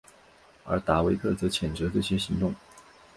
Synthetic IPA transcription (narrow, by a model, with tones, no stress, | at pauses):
ə̰˞˧˥t̪a˧˥we˧˥ɪk̪ʰɤ˥˩t͡sɤ˧˥t͡ɕʰjɛ˨˩nʈ͡ʂɤ˧˥ʈ͡ʂɤ˥˩ɕjɛ˥ɕi˧˥ŋt̪ʊ˥˩ŋ